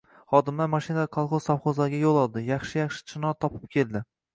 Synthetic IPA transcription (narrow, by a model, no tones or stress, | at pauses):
χɒd̪ɪmlaɾmaʃɪnad̪kʰɑlˠχozsawχozlaɾɡʲajolˠɒlˠd̪ɪjɑχʃɪjɑχʃɪ̥t͡ʃʰɪnɒt̪ʰːɒpʰɪ̥p̚kʲʰe̞lˠd̪ɪ